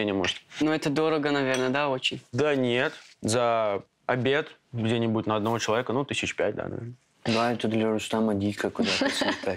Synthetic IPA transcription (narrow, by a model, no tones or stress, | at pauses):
enʲɪmoʐɨt̪nuɛt̪əd̪o̞ɾəɡənɐvʲe̞rnəd̪aot͡ɕɪnʲd̪anʲet̪zə | ɐbʲet̪ɡdʲenʲɪbuɪtʲnəɐd̪nɐvot͡ɕɪlˠɐvʲekənut̪ɨsʲɪt͡ɕpʲæt̚ʲd̪a̰nɐ̰vʲernə | d̪aɛt̪əd̪lʲɐɾʊst̪amədʲikəkʊd̪aspʲa